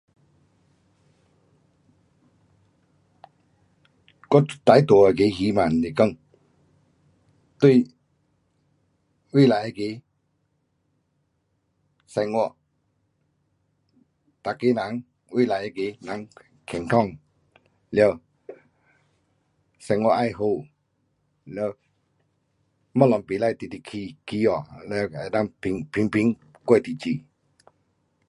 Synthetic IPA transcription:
kɔ˥˦˨t̪a˨˦jt̪ɔ˨˩a˨ke˨˦hi˨˦mã˨nle˨kə˥˧˨ŋ | t̪we˥˧˨ | wi˥˨la˨˦e˧˨ke˨˧˦ | sa˧ŋwɔ˧˨ | t̪a˨ke˦nã˨˦ŋ | wʔi˦˨la˨ɛ˧˨ke˨˧˦nã˨˦ŋ | kʰɛ˨ŋt̪ʰɔ˥˧˨ŋ | lɛ˧w | sa˧ŋwɔ˧˦ʔa˧˨jɦo˧˨ | lɛ˧w | mɔ˦˨lɔ˨ŋpe˨la˧˨t̪i˨t̪i˧˨kʰi˧˨ki˧˦ɔ˨lɛ˧˨a˨na˧˦ŋpi˨˧ŋpʰi˧ŋpi˧˦ŋ | kwɔ˧˨t̪i˨t͡ʃi˨

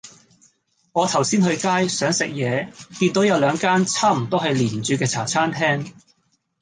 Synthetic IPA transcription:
ŋɔː˨˧t̪ʰɐ˨˩wsiː˥nhɵ˧ɥkaː˥jsœː˨˥ŋsɪ˨k̚jɛː˨˧t̪iː˧nt̪o˨˥wjɐ˨˧wlœː˨˧ŋkaː˥nt͡sʰaː˥m̩˨˩t̪o˥ɦɐ˨jliː˨˩n˨t͡syː˨˧˥kɛː˧t͡sʰa̰ː˨˩t͡sʰaː˥nt̪ʰɛː˥ŋ

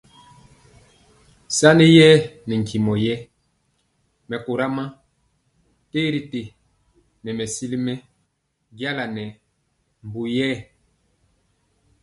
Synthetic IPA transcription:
sa˦ne˦jɛ˦nɛ˨ŋ̩˨ki˨mɔ˨jɛ˦ | mɛ˨ko˨ɾa˦ma˦ | te˦ɾi˨te˨ | nɛ˨mɛ˨si˦li˦mɛ˦ | ɡja˦la˨nɛ˨ | m˨bu˨jɛ˦

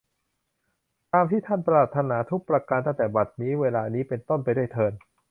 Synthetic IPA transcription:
t̪aː˧mt̪ʰiː˥˩t̪ʰa˥˩npɾaː˨˩t̪ʰːa˧naː˩˦t̪ʰu˦˥k̚pɾa˧ka˧nt̪a˥˩t̪ɛː˨˩ba˨˩t̪̚niː˦˥weː˧laː˧niː˦˥pe˧nt̪o˥˩npa˧jdu˥˩əjt̪ʰɤː˧n

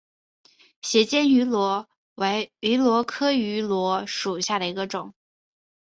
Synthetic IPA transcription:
ɕjɛ˧˥t͡ɕjɛ˥ny˧˥lwɔ˧˥ | we˧˥ɪy˧˥lwɔ˧˥kʰɤ˥y˧˥lwɔ˧˥ʂu˨˩ɕja˥˩d̪ə˩i˧˥ɡə˧ʈ͡ʂʊ˨˩˦ŋ

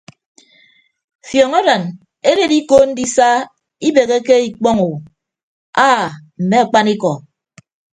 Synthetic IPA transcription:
fjɔ˨ŋa˦ɾa˨n | e˦ɾe˨di˦ko˦n̩˦di˦sa˦ | i˦be˨ɣe˦ke˦i˨k͡pɔ˦ŋu˨ | a˦m̩˨me˦a˨k͡pa˦ni˦kɔ˨

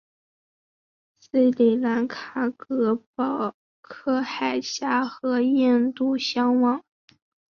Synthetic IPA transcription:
s̩˥˩ɪli˨˩la˧˥nkʰa˨˥˩kɤ˧˥pɑ˨˩ʊ | kʰɤ˥˧xa˨˩ɪɕja˥xɤ˧˥jɛ˥˧nt̪u˥˩ɕjɑ˥ŋwɑ˨˧˥ŋ

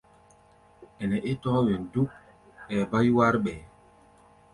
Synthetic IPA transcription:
ɛ˨nɛ˨ʔe˦tɔ˦we˨n˨du˦k̚ | ɛ˨ba˦jwa˦ɾɓɛ˨

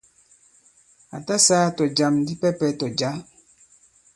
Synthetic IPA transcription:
a̰˨ta˦saː˦tɔ˨d͡ʒa˨mn˦di˦pɛ˦pɛ˦tɔ˨d͡ʒa˨˦

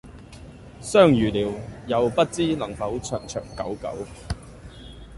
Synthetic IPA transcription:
sœː˥˩ŋjyː˨˩liː˨˩wjɐ˨˧wpɐ˥t̚t͡siː˥lɐ˨˩ŋpɐ˨˥wt͡ʃʰœː˨˩ŋt͡ʃʰœː˨˩ŋkɐ̰˨˥wkɐ̰˨˥w

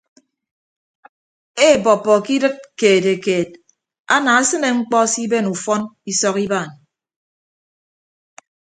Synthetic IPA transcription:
e˦˨bɔ˨pːɔ˨ki˦dɨ˦t̚keː˨te˨keː˨t̚ | a̰˦na˨a˦sɨ˦ne˨ŋ͡m̩˦k͡pɔ˦si˦be˦nu˨fɔ˦ni˦sɔ˦ki˦ba˦˨n

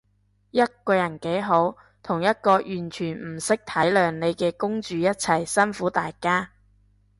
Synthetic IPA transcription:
jɐ˥t̚kɔː˧jɐ˨˩nke˨˥jɦo˨˥w | t̪ʰʊ˨˩ŋjɐ˥t̚kɔː˧jyː˨˩nt͡ʃʰyː˨˩nm̩˨˩sɪ˥k̚t̪ʰɐ˨˥jlœː˨˧ŋne˨˧jkɛː˧kʊ˥ŋt͡ʃyː˨˧jɐ˥t̚t͡sʰɐ˨˩jsɐ˥nfuː˨˥t̪aː˨jkaː˥

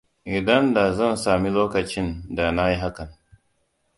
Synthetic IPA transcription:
ʔi˨dɐ˦nda˨zɐ˦˨nsaː˨mi˦loː˦kɐ˨t͡ʃɪ˦nda˨na˦ji˦ɦa˦kɐ˨n

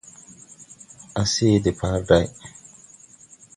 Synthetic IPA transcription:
a˨se˦de˨pʰaː˦ɾda˦j

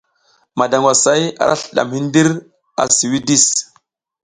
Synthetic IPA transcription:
ma˨da˨ŋɡwa˨sa˦ja̰˨ɾa˦ɬɗa̰˨mhi˦n˦di˦ɾ | a̰˨si˨wi˦di˦˨s

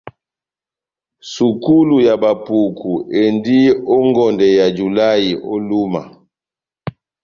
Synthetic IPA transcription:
su˨ku˦lu˨ja˨ba˨pu˨kʰu˨e˨ndi˦ɔ˦ŋɡɔ˨ndɛ˨ja˨d͡ʒu˨la˦ji˨ʔo˦lu˦ma̰˨

